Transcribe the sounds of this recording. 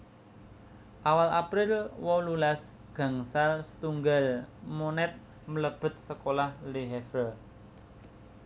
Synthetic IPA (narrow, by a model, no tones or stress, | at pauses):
ʔawalapɾɪlwɔlulas | ɡ̥ä̤ŋsalsə̥t̪uŋɡalmonɛt̪̚ | mələb̥ə̤t̪̚səkolahliɦɛfə